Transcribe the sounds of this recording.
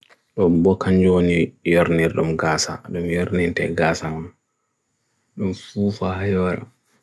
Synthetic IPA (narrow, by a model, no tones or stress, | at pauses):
ɗɔmbɔkaɲd͡ʒɔonijɔɾniɾɗumɡaːsa̰ɗumjɔɾnintɛ̰ɡaːsaman | ɗumfuːfahajɔɾa̰